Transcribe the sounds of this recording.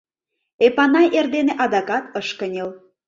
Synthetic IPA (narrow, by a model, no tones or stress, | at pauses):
epɑnɑjʔerd̪eneʔɑd̪ɑkɑt̪əʃkənʲel